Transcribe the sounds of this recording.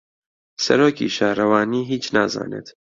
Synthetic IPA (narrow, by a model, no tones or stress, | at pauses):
seɾoːkʰḭːʃæːhɾævɑːniːɦiːt͡ʃʰnæːzɑ̰ːnḛd̪̥